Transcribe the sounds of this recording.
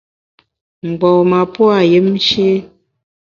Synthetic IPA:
m̩˨ɡ͡bɔ˨ma˨pwa˨je˦m˦ʃe˦

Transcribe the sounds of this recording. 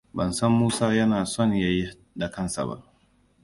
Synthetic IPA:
bɐ˨nsɐ˦mːuː˦saː˦jɐ˦naː˨sɔ˦˨ɲjaː˦ji˦ | da˨kɐ˦nsa̰˨ba̰˦˨ʔ

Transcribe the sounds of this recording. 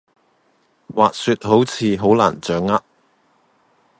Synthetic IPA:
waː˨k̚syː˨˧t̚ho˨˥wt͡sʰiː˨˧ɦo˨˥wla̰ː˨˩nt͡sœː˨˥ŋːa˥t̚

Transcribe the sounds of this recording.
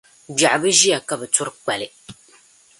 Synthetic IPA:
ɡ͡ba˨ʔbɨ˦ʒi˦ja˨ka˨bɛ˨tʊ˦ɾk͡pa˨lɨ˨

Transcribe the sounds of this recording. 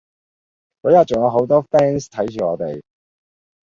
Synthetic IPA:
kɔ˨˥ja˨˩t͡ʃo˨ŋja˨˧wɦo˨˥wt̪ɔː˥fɛː˥nst̪ʰɐ˨˥jt͡ʃyː˨˩ŋɔː˨˧t̪e˨j

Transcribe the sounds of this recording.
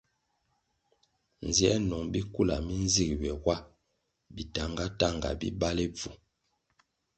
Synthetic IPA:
n˨zjɛ˦nɔ˨ŋbi˦ku˦˨la̰˨mi˦n˦zi˦kwɛ˨wa˦ | bi˨ta˨ŋɡa˦ta˦˨ŋɡa̰˨bḭ˦ba˦le˦b͡vu˨

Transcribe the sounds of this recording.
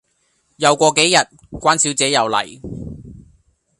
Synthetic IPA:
jɐ˨˧wkʷɔː˧ke˨˥jːɐ˨t̚ | kʷaː˥nsiː˨˥wt͡sɛː˨˥jɐ˨wlɐ̰˨˩j

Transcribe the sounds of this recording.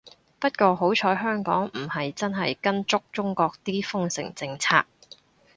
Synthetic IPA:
pɐ˥t̚kɔː˧ɦo˨˥wt͡ʃʰɔː˨˥jɦœː˥ŋkɔ̰ː˨˥ŋm̩˨˩hɐ˨jt͡sɐ˥nɦɐ˨jkɐ˥nt͡sʊ˥k̚t͡sʊ˥ŋkɔː˧k̚t̪iː˥fʊ˥ŋsɪ̰˨˩ŋt͡sɪ˧ŋt͡sʰa̰ː˧k̚

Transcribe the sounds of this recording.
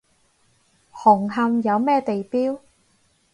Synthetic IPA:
hʊ˨˩ŋɦɐ˧mjɐ˨˧wmɛː˥t̪e˨jpiː˥w

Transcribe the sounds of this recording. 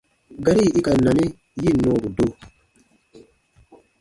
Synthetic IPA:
ɡa˦ɾi˦˨i˦ka˨na˨ni˦ | ji˦˨nɔː˦˨ɾu˨do˦

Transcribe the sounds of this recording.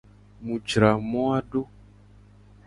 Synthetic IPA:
mũ˨d͡ʒɾa˨mɔ˦a˦ɖo˦

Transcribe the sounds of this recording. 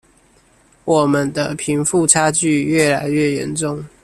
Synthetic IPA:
wɔ˨˩mə˦nd̪ə˦pʰi˨˧˥ŋfu˥˨ʈ͡ʂʰa˥t͡ɕy˥˨ɥɛ˥˩la˧˦ɪɥɛ˥˨jɛ̰˧˦nʈ͡ʂʊ˥˨ŋ

